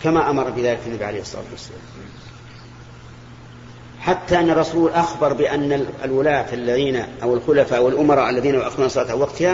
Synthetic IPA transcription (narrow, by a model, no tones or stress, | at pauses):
kamaʔamɑɾˤɑbɪðaːlɪkʔanːabiʕalejhɑsˤːɑ̰la̰ːt̪wasːala̰ːm | ħat̪ːaʔɪnːɑrˤːɑsuːlʔaxbɑɾˤbɪʔanːalwʊlaːt̪alːaðiːnaʔawɪlxʊlafaʔawɪlʔʊmɑɾˤɑːʔalːaðiːnaʔaxd̪uːnɑsˤɨlaːt̪hawɑqt̪ha